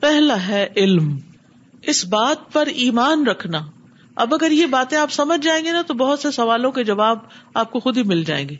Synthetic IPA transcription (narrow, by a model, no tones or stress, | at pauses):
pɛɦlaɦɛʔɪlm | ɪsbaːt̪̚pɐɾiːmaːnɾɐkʰnaː | ɐ̰bɐɡəɾjebaːt̪ẽaːpsɐməd͡ʒʱd͡ʒaːẽːŋɡenat̪obɐɦʊt̪sesɐʋaːlõked͡ʒɐʋaːbaːp̚koxʊd̪ʱimɪld͡ʒa̰ːḛ̃ːŋɡeː